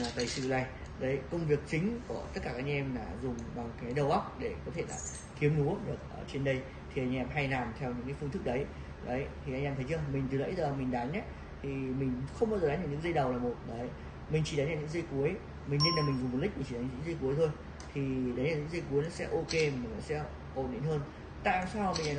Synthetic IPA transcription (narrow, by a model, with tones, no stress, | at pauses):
laː˨˩t̪ə˨˩jsɨ̰˧˨la˨˧˩j | ɗə˨˦jkə˧wŋ͡mvi˨˩ək̚t͡ɕï˨˦ŋ̟ku˧˩ət̪ə˦˥t̚kaː˧ka˦ʔŋʔɛ˧mlaː˨˩zʊ˨˩ŋ͡mɓa˨˩ŋkaː˨˦jɗə˧˩wʔa˦˥wk͡p̚ɗe˧˩kɔ˨˦t̪ʰe˧˩la̰ː˧˩ | xi˨˦əmɗu˨˦əɲə˨˩t̚ʔəː˧˩t͡ɕe˧nɗə˧j | t̪ʰi˨ʔa˧j̟ʔɛ˨˩p̚ɦa˧jnaː˨˩mt̪ʰɛ˧wɲɨ̰˧˥ŋka˨˦fɨ˧nt̪ɨ˦˥k̚ɗə˨˦j | ɗə˨˦jt̪ʰi˨˩ʔa˧ŋʔɛ˧t̪ʰə˨˦jt͡ɕɨ˧əmï˨˩ŋ̟t̪ɨ˨˦lə̰˧˥jzəː˨˩mï˨˩ŋ̟ɗa˨˦nʔə˦ | t̪ʰi˨˩mï˨˩ŋ̟xə˧wŋ͡mɓaː˧wza˨˦nɲaː˧˩ɲɨ̰˧˥ŋzə˧jɗə˨˩wlaː˨˩mo˨˩t̚ɗəː˨˦j | mï˨˩ŋ̟t͡ɕi˧˩ɗa˨˦nlaː˨˩ɲɨ̰˧˥ŋzə˧jku˨˦əj | mï̟˨˩ne˧nlaː˨˩mï˨˩ŋ̟zʊ˨˩mː˨˩t̚lï̟˦˥mi˨˩t͡ɕi˨˩˨a˨˦nɲ˧ɨ̰˧˥ŋzə˧jku˨˦əjt̪ʰo˧j | t̪ʰi˨˩ɗa˨˦jnlaː˨˩ɲɨ̰˧˥ŋzə˧jku˨˦əjnɔ˨˦sɛ̰˧˥ʔo˧ke˧m˨˩m˨˩nɔ˨˩˦sɛ̰˧˥ | ʔo˧˩ɗḭ˧˨nhəː˧n | t̪a̰ː˧˨msaː˧wmi˨˩a˨